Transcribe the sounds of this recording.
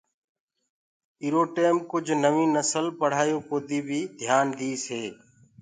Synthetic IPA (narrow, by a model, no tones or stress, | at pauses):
iːɾoːʈeːmkʊd͡ʒʱnəʋĩːnəsəlpəɽ̤aːjoːpoːd̪iːbʱiːd̪ʱjaːnd̪ʱiːseː